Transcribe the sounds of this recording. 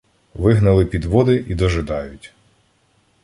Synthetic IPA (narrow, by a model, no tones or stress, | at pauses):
ʋɪɦnɐlˠɪpʲid̪ʋɔd̪ɪʔid̪ɔʒɪd̪ɑjʊtʲ